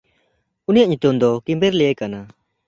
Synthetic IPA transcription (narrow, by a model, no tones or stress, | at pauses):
unijaʔɲut̪umd̪ɔkĩmbeɾlejekana